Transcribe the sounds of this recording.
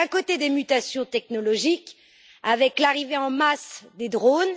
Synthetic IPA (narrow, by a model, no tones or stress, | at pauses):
ɛ̃kot̪ed̪emyt̪asjɔ̃t̪ɛk̚nɔlɔʒik | avɛklaʁiveɑ̃masd̪ed̪ʁon